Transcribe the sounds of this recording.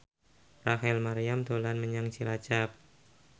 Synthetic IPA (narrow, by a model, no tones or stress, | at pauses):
raɦɛlmaɾijamt̪olanməɲaŋt͡ʃilat͡ʃap̚